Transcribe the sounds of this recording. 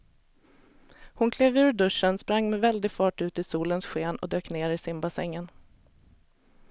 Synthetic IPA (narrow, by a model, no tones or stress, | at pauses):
hʊnkʰleːvʉ̟ːɾɖɵʂːənspɾaŋːmɛvɛld̪ɪɡfɑːʈʉ̟ːt̪ɪsuːlənsɧeːnɔ̰d̪øːkneːɾɪsɪmbasɛŋːən